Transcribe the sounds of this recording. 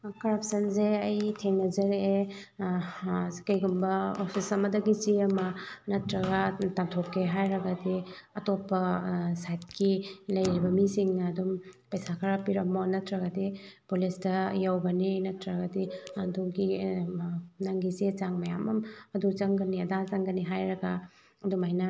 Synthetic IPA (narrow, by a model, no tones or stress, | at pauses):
kɐɾapsɐnzeɐjtʰeŋnɐzɐɾe | kɐjɡumbɐopʰisɐmɐdɐɡit͡ʃiɐmɐnɐtɾɐɡatamtʰopːeɦajɾɐɡɐdiɐtopːɐsajt̚kilɐjɾibɐmisiŋnɐːdumpɐjsakʰɐɾapiɾɐmonɐtɾɐɡɐdipulisdɐjawɡɐninɐtɾɐɡɐdianduɡi | nɐŋɡizezaŋmɐjamɐmɐduzɐŋɡɐniɐdazɐŋɡɐniɦajɾɐɡa | ɐdumajnɐ